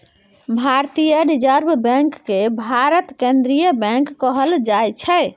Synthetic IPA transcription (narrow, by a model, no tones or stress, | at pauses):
bʱaɾt̪ijəɾid͡ʒəɾbbɛ̃ŋkːebʱaɾət̪kẽnd̪ɾijəbɛ̃ŋkːəɦəld͡ʒajt͡ʃʰəɪ